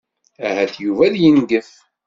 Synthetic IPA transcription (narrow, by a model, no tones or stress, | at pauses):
æhæθjuvæðjənɡəf